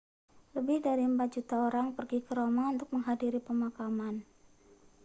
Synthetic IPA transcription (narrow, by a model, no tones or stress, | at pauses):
ləbɪhdaɾiəmpat̪̚d͡ʒut̪aoɾaŋpərɡikəɾomaunt̪ʊk̚məŋɦadiɾipəmakaman